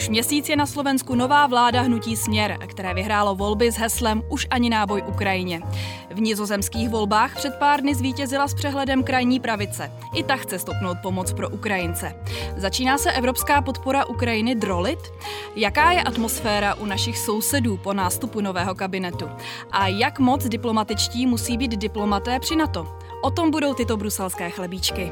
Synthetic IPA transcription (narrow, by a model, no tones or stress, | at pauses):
uʃmɲɛsiːt͡sjɛnaslo̞vɛnskuno̞vaːvlaːdaɦnuciːsmɲɛɾkt̪ɛɾɛːvɪɦɾaːlo̞vo̞lbɪzɦɛslɛmʔuʃʔaɲɪnaːbo̞jʔukɾajɪɲɛ | vɲɪzozɛmskiːxvo̞lbaːxpr̥ɛt̪̚paːɾdnɪzviːcɛzɪlaspr̝̥ɛɦlɛdɛmkɾajɲiːpɾavɪt͡sɛ | ʔɪt̪axt͡sɛst̪opno̞wt̪̚po̞mo̞t͡spɾo̞ʔukɾajɪnt͡sɛzat͡ʃiːnaːsɛʔɛvɾo̞pskaːpo̞t̪po̞ɾaʔukɾajɪnɪd̪ɾo̞lɪt̪ | jakaːjɛʔat̪mo̞sfɛːɾaʔunaʃɪxso̞wsɛduːpo̞naːst̪upuno̞vɛːɦo̞kabɪnɛt̪u | ʔajakmo̞t͡sdɪplo̞mat̪ɪt͡ʃciːmusiːbiːd̪dɪplo̞mat̪ɛːpr̥ɪnat̪o̞ | ʔo̞t̪o̞mbudo̞wt̪ɪt̪o̞bɾusɛlskɛːxlɛbiːt͡ʃkɪ